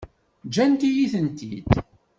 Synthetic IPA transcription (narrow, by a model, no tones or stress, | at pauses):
d͡ʒænt̪ijiθənt̪ḭd̪̥